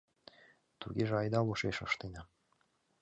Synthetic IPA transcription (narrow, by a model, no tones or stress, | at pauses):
t̪uɡʲeʒĕɑjd̪ɑlˠuʃeʃɤ̆ʃt̪enɑ